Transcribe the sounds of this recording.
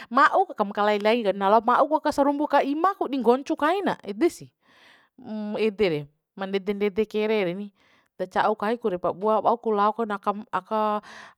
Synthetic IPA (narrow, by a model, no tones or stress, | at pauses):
maʔukakamkalailaɡikanalamaʔukuakasaɾumbukaimakudiŋɡɔɲt͡ʃukaina̰ɛdɛsi | ɛdɛɾɛ | mandɛdɛndɛdɛkɛɾɛɾɛni | dat͡ʃaukaikuɾɛpabuabaukulaɔkanakamaka